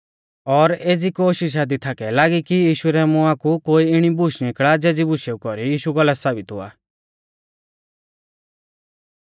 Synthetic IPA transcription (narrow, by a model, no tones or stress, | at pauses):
ɔɾeːd͡zikoːʃɪʃ̬ad̪it̪ʰakɛlaːɡikijiːʃuɾɛmʊ̃akukoːiɪɽ̃ibʊʃnɪkɭad͡zɛːd͡zibʊʃeukɔɾijiːʃuɡɔlassaːbɪt̪ʊ̰a̰ː